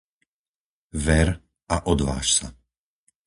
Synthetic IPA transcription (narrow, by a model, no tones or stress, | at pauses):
vɛɾ | aʔɔd̪ʋa̰ːʃsa